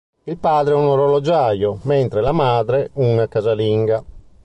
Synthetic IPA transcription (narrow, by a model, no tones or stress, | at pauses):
ilpaːd̪ɾeɛunɔɾɔlɔd͡ʒajomɛnt̪ɾelamaːd̪ɾɛunakazaliŋɡa